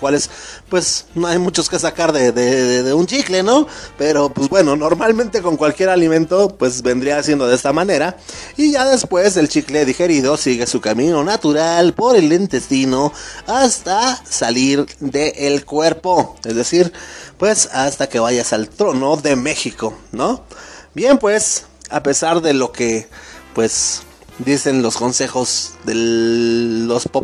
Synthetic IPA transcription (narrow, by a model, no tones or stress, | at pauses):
kwalespwe̞sno̞ajmut͡ʃo̞ske̞s̬akaɾðeðeðeðeunt͡ʃikle̞no̞pe̞ɾopwezbwe̞no̞no̞ɾmalmẽnt̪e̞ko̞ŋkwalkje̞ɾalimẽ̞nt̪o̞pwe̞sbe̞nd̪ɾiaːsjend̪o̞ðest̪amãne̞ɾaiʝaðe̞spwe̞se̞lt͡ʃikle̞ðixe̞ɾiðo̞siɣe̞sukamĩno̞nat̪uɾalpo̞ɾe̞lent̪e̞st̪ino̞ast̪asaliɾðeʔːlkwe̞ɾpo̞ezðe̞siɾpwe̞sast̪ake̞βaʝasalt̪ɾo̞noðeme̞xiko̞nobje̞mpwe̞s | a̰pe̞saɾðe̞lo̞kepwe̞s | d̪ise̞nlo̞sko̞nse̞xo̞zðe | ospo